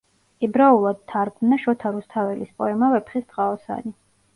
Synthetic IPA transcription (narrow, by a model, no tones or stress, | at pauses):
ɛbɾaulˠad̪̥̚t̪ʰːaɾɡmnaʃɔt̪ʰaɾust̪ʰavɛlispʼɔɛmavɛpʰχisd̪ʼqʼaɔsa̰ni